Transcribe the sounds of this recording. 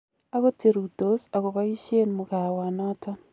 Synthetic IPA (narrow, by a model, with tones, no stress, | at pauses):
a˦ɣo˦te˨ɾu˨to˨sa˨ɣo˨βa˦i˦ʃe˦nmuɣawa˨na˦ta˦